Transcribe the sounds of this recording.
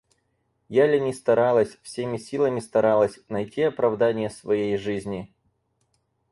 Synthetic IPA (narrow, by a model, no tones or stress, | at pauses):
jalʲɪnʲɪst̪ɐɾalˠəsʲfsʲemʲɪsʲilˠəmʲɪst̪ɐɾalˠəsʲnɐjtʲiɐpɾɐvd̪anʲɪjəsvɐjejʐɨzʲnʲɪ